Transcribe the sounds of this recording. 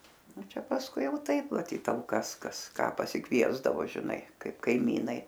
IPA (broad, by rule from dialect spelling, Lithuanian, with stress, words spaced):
ˈnʊ ˈt͡ʃʲɛ pɐsˈkʊɪ ˈjɛʊ ˈtɐɪp mɐˈtʲiːt tɐlˠˈkɐs ˈkɐs ˈkɑː pɐsʲɪˈkʋʲiɛzdɐʋoː ʒʲɪˈnɐɪ ˈkɐɪp kɐɪˈmʲiːnɐɪ